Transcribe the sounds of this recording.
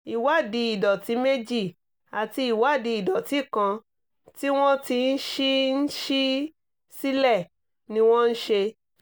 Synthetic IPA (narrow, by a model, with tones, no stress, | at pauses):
i˨wa˦˨di˨˦i˨dɔ˨ti˨˦me˦d͡ʒi˦˨ | a˨ti˧i˨wa˨˦˨di˧i˨dɔ˨ti˨˦˨kã˧ | ti˦w̃ɔ̃˦ti˧n̩˦ʃi˦n̩˦ʃi˦ | si˦lɛ˦˨ | nĩ˧w̃ɔ̃˦n̩˦ʃe˧